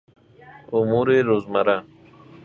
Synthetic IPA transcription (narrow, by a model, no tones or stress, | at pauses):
umuːɾeɾozmaɾa